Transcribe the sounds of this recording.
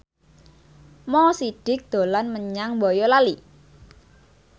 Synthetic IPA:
mɔsiɖ̥ɪ̤k̚d̪̥o̤lanməɲaŋbɔjɔlali

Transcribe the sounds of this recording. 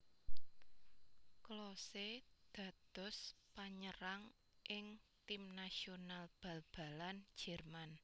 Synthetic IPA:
klɔsed̪̥ä̤d̪̥ɔ̤spaɲəɾaŋ | ʔɪŋt̪imnasionalb̥a̤lb̥a̤lan̥d͡ʒ̥ɛ̤rman

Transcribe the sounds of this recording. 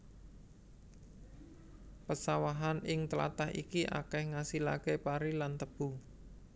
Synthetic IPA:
pəsawaɦanɪŋt̪əla̰t̪ahḭkiʔa̰kɛhŋasilaɡepaɾilant̪əb̥u

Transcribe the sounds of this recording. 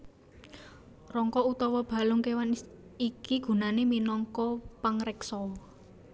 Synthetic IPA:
rɔŋkɔut̪ɔwɔb̥ä̤lʊŋkewanikiɡ̥ṳnaneminɔŋkɔpaŋrɛksɔ

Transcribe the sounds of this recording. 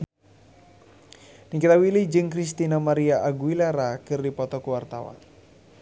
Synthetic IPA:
nikit̪awilid͡ʒɨŋkɾist̪inamaɾiaʔːɡuwilaɾakɨrdipɔt̪ɔkuwart̪a̰wa̰n

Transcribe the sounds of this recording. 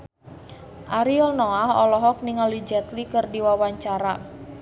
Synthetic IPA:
ʔaɾiɔlnɔaɦɔ̰lɔɦɔk̚niŋalid͡ʒɛt̪likɨrdiwawaɲt͡ʃaɾa

